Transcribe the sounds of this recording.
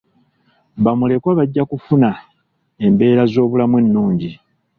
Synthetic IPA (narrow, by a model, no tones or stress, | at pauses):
βamule̞kwaβaɟːakufuna | e̞mbe̞ːɾazo̞ːβulamwe̞nːuːɲɟi